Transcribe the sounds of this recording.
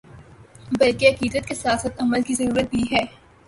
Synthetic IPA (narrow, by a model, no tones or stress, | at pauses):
bɐlkeɦɐqiːd̪ət̪̚kesaːsət̪ɐməlkizɐɾuːɾət̪̚biɦɛː